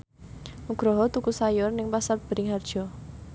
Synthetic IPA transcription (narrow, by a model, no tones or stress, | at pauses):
muɡ̥ɾɔɦɔt̪ukusajɔrnɪŋpasarb̥ə̤ɾɪŋɦard̥ʒ̥ɔ